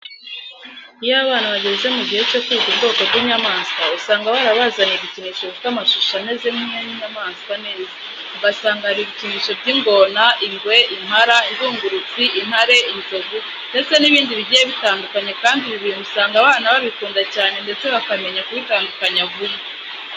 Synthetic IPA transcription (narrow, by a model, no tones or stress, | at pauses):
ijaβaːnaβaɟe̞ze̞muɟihe̞t͡ʃotuuzinɡo̞ːkoɾɟiɲamaːnskausaːŋɡaβaɾaβazaniβiciniːʃo̞βifitamaʃuʃane̞ːzemhimweniɲamaːnskane̞ːza | uɡasaːŋɡahaɾiβiciniːʃo̞bɟiŋɡo̞naʔiŋɡwe̞ʔinhaɾainzuːŋɡuɾut͡siʔin̥haɾe̞inzo̞ɡu | nde̞t͡se̞niβiːndiβiɟijeβitaːndukaɲakaːndiβiβiemusaːŋɡaβaːnaβaβikuːndacaːne̞nde̞t͡se̞βakame̞ɲakuβitaːndukaɲaβume